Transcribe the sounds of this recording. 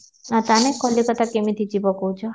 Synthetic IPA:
at̪anekɔlːikət̪akemit̪ʰid͡ʒibɔkowt͡ʃʰɔ

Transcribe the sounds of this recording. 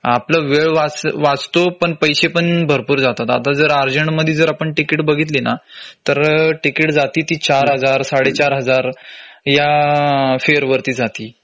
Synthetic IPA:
apləʋeɭʋat͡sʋat͡st̪opəɳpəjɕepəɳbʱəɾpuːɾd͡zat̪at̪a̰t̪ad͡zəɾaɾd͡ʑəɳʈməd̪ʱːjid͡zəɾapəɳʈikiʈbəɡʱiːt̪linat̪əɾʈikiʈd͡zat̪iːt̪iːt͡ɕaɾɦəd͡zaɾsaɽet͡ɕaɾɦəd͡zaɾja | feəɾʋəɾt̪iːd͡zat̪iː

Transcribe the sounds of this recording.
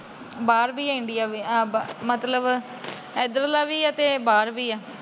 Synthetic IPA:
baːɾbiːɪɳɖɪjaːʋiːãbmət̪ləb | ɛːd̪ɾəlaːʋiːət̪eːbaːɾʋiːɛː

